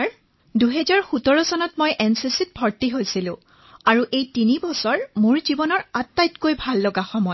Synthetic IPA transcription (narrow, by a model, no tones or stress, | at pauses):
duɦɛzaɹxutɔɹɔsɔnɔtmojʔɛnsisit̚bʱɔɹtiɦojsilʊ̰̃ | aɹuʔejtinibɔsɔɹmʊɹzibɔnɔɹatːajtkojbʱalːoɡaxɔmɔj